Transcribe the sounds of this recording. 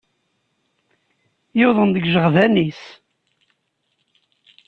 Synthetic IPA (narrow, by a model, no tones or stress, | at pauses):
jʊðˤənd̪əɡʒəʁðænis